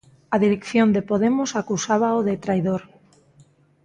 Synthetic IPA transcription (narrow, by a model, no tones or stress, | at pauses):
aðiɾekθjond̪epoð̞emosakusaβ̞aoðet̪ɾajð̞oɾ